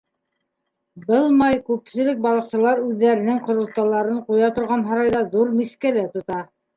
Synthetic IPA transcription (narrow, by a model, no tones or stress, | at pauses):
bɤlˠmɑjkʉpsɘ̆lɘk̚bɑlˠɤ̆qsɤ̆lˠɑɾʉðːæɾɘ̆nɘŋqŏɾŏlˠt̪ːɑlˠɑɾɤɴqujɑt̪ŏɾʁɑnɦɑɾɑjðɑðuɾmiskælæt̪ŏt̪ɑ